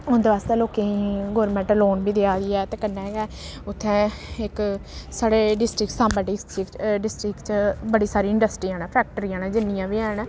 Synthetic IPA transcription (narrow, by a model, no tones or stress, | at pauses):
ʊnd̪eaːst̪aːloːkeĩːɡoːɾmɛ̃ɳʈloːnbiːd̪eaːd̪iːɛːt̪eːkənːɛːɦɡɛːʊt̪ʰːɛ̃ːɪksaːɽeːɖɪsʈɾɪksãːmbəɖɪsʈɾɪkɖɪsʈɾɪkt͡ʃbəɽiːsaːɾiːɪ̃ɳɖəsʈɾiːaːnaːpʰɛːk̚ʈəɾiːãːnãːd͡ʒɪnːijãːbiːɛːnː